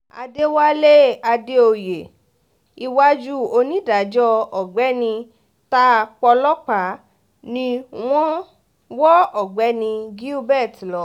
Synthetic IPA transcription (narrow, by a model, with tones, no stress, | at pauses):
a̰˧de˦wa˦le˦a˧de˦o˧je˨ | i˦˧wa˦d͡ʒu˦o˧nĩ˦da˨d͡ʒɔ˦ɔ˨ɡ͡bɛ˨˦nĩ˧ | ta˦˧k͡pɔ˧lɔ˦k͡pa˨˦ | nĩ˧w̃ɔ̃˦ | wɔ˦ɔ˨ɡ͡bɛ˨˦nĩ˧ɡi˦u˦bɛ˦˨tlɔ˨˦